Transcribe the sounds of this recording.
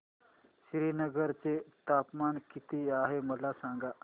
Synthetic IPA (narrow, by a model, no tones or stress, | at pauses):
ɕɾinəɡəɾt͡set̪apmankit̪iːaɦeməlasãŋɡa